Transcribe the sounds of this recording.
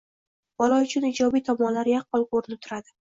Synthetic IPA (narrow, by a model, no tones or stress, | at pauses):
b̥ɒlˠɒʊt͡ʃʰʊnɪd͡ʒɒbijt̪ʰɒmɒnlaɾjaq̚bɒlˠkoɾnɪt̪ʰʊɾad̪ɪ